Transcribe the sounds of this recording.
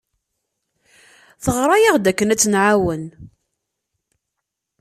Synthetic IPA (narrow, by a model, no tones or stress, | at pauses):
θəʁɾˤɑjiʁd̪ækːənæt͡sːnʕawən